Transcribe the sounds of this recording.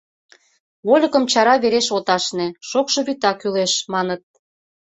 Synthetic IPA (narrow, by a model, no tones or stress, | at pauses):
βolʲə̆kə̆mt͡ɕɑɾɑβeɾeʃot̪ɑʃneʃokʃɤ̆βyt̪ɑkyleʃmɑnət̪̚